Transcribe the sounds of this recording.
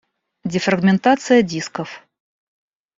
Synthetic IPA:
dʲɪfrɐɡmʲɪnt̪at̪sɨjədʲiskəf

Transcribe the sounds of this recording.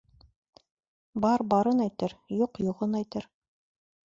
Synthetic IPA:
bɑɾbɑɾɤnæjt̪ɘɾjuqjŏʁɤnæjt̪ɘɾ

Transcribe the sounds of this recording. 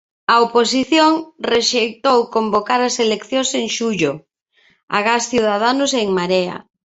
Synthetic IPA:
aoposiθjoŋreʃejt̪owkombokaɾaselekθjõseŋʃuʎo | a̰ɣasθjuðað̞anʊseŋmaɾea̰

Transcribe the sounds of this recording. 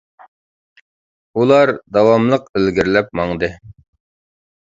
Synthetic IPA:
ulˠɑɾd̪ɑwɑmlˠəqelɡʲiɾlɛp̚mɑŋd̪ɨ

